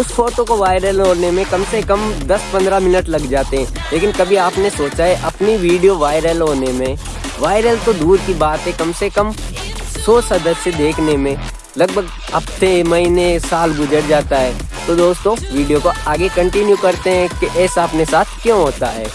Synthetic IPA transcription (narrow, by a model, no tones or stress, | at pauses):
ʊsfɔːɾʈ̪õkoʋaːɪɾəlɦoːnemẽkɐmsekɐmd̪ɐspɐ̃nd̪ɾamɪnəʈlɐɡd͡ʒaːt̪eɦɛ̃ː | leːkɪnkɐbʱiaːpnesoːt͡ʃaɦɛʔɐpniʋiːɖijoʋaːɪɾəlɦoːnemẽ | ʋaːɪɾəlt̪od̪uːɾkibaːt̪ɦɛ̃kɐmsekɐm | sɔːsɐd̪əssjed̪eːkʰnemẽ | lɐɡ̚bʱəɡ | ɐpt̪ʰemɐɦinesaːlɡʊd͡ʒəɽd͡ʒaːt̪aɦɛː | t̪od̪oːst̪õʋiːɖijokoaːɡekɐ̃ɳʈɪnjukɐɾt̪eɦɛ̃keʔɛːsaɐpnesaːt̪̚ʰkjõːɦoːt̪aɦɛ̰ː